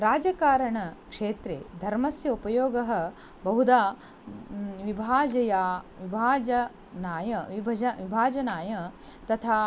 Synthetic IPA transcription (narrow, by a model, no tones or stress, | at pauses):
ɾaːd͡ʒɐkaːɾɐɳɐkʂeːt̪ɾḛːd̪ʱɐɾmɐsjɐupɐjoːɡɐɦɐ̆ | bɐɦud̪aː | ʋibʱaːd͡ʒɐjaːʋibʱaːd͡ʒɐ | naːjɐʋibɐd͡ʒɐʋibʱaːd͡ʒɐnaːjɐt̪ɐt̪ʰaː